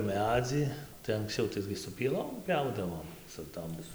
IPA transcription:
ˈmʲæːd͡zʲiː tɐɪ ɐŋksʲˈt͡sʲɛʊ ˈtɐɪɡʲɪ sʊ pʲiɛˈlˠoːm ˈpʲɛʊdɐʋoːm sʊ ˈtoːm

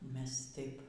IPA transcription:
ˈmʲɛs ˈtɐɪp

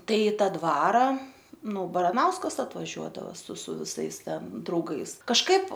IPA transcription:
ˈtɐɪ ˈtɐ ˈdʋɑːrɐ ˈnʊ bɐrɐˈnɐʊskɐs ɐtʋɐˈʒʲuɔdɐʋɐ sʊ sʊ ʋʲɪˈsɐɪs ˈtʲɛn drɐʊˈɡɐɪs kɐʃˈkɐɪp

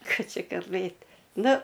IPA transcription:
ˈkɑː ˈt͡ʃʲɪ kɐlˠˈbɘtʲ ˈnʊ

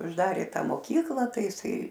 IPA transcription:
ʊʒˈdɑːrʲeː ˈtɐ moːˈkʲiːklˠɐ ˈtɐɪ jɪˈsɐɪ

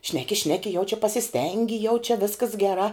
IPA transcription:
ˈʃʲnʲæːkʲɪ ˈʃʲnʲæːkʲɪ jɛʊ t͡ʃʲɛ pɐsʲɪˈsʲtʲɛŋʲɡʲɪ jɛʊ t͡ʃʲɛ ˈʋʲɪskɐs ɡʲɛˈrɑː

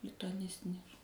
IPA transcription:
lʲɪtʊɐˈnʲɪsʲtʲɪnʲɛs

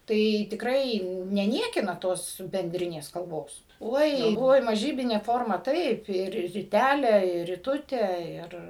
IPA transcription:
ˈtɐɪ tʲɪkˈrɐɪ nʲɛˈnʲiɛkʲɪnɐ ˈtoːs bʲɛnʲˈdʲrʲɪnʲeːs kɐlˠˈboːs ˈoːɪ ˈoːɪ mɐˈʒʲiːbʲɪnʲɛ ˈfoːrmɐ ˈtɐɪp ɪr rʲɪˈtʲælʲɛ ɪr rʲɪˈtʊtʲɛ ɪr

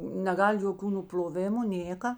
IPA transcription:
nʲɛˈɡɐlʲ joːˈkʲuː nʊpʲlʲoːˈʋʲɪmʊ ˈnʲeːkɐ

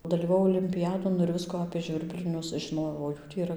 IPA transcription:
dɐlʲiːʋɐˈʋɐʊ oːlʲɪmʲpʲɪˈjæːdoːn ɪr ˈʋʲɪskʊ ɐpʲeː ˈʒʲʋʲɪrʲbʲlʲɪnʲʊs ʒʲɪˈnoːjɛʊ oː ˈjuː tʲiː iːˈrɐ

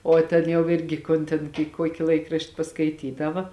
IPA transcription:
oː ˈtʲeːn jɛʊ ˈɪrʲɡʲɪ ˈkoːn tʲeːn kʲɪ ˈkuɔkʲɪ ˈlˠɐɪkrɐʃʲtʲɪ pɐskɐɪˈtʲiːdɐʋɐ

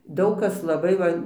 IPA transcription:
ˈdɐʊk ˈkɐs lˠɐˈbɐɪ ʋɐ

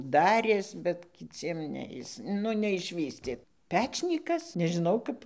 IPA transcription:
ˈdɑːrʲeːs bʲɛt kʲɪˈt͡sʲiɛm ˈnʲɛ ˈjɪs ˈnʊ nʲɛɪʃʲˈʋʲiːsʲtʲeː ˈpʲæːt͡ʃʲnʲiːkɐs nʲɛʒʲɪˈnɐʊ ˈkɐp

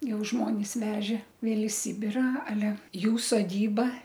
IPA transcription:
ˈjɛʊ ˈʒmoːnʲɪs ˈʋʲæːʒʲɛ ˈʋʲeːlˠ ɪ ˈsʲiːbʲɪrɐ ɐˈlʲɛ ˈjuː soːˈdʲiːbɐ

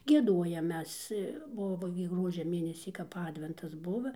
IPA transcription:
ɡʲiɛˈduɔjɛm ˈmʲɛs ˈbʊʋoː ɡʲɪ ˈɡruɔd͡ʒʲɛ ˈmʲeːnʲɛsʲiː kɐp ˈɑːdʲʋʲɛntɐs ˈbʊʋɐ

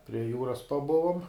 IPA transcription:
pʲrʲiɛ ˈjuːrɐs pɐˈbʊʋʊm

